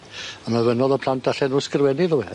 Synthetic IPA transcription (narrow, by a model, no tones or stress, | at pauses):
amavənɔðəpʰlˠantʰaɬɛnuːskrwɛnɪðəwɛ